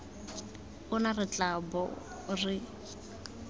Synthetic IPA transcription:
ʊnarɪt͡ɬʼabɔ̰ | rɪ

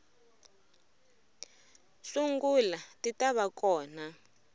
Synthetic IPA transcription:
suŋɡulatitaβakɔːna

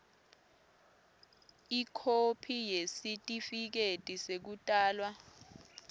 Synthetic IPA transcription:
ikʰopʰijesitʼifik̬etʼisek̬utʼaːlwa

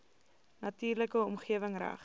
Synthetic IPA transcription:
nɐtiːrləkəɔmχiəvəŋræ̰χ

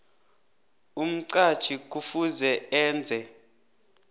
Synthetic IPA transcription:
um̩ǀad̥t͡ʃʰʼik̬ʼufuzɛɛːnd͡zʱɛ

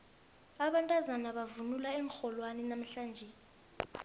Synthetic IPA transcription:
aɓantʼazanaɓavunulaɛŋxɔlwanɛnam̩ɬaːnd͡ʒʱɛ

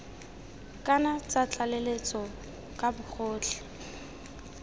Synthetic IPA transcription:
kʼanat͡sat͡ɬʰʼalelet͡sɔ | kʼabʊk͡xʰʊːt͡ɬʰɛ̥

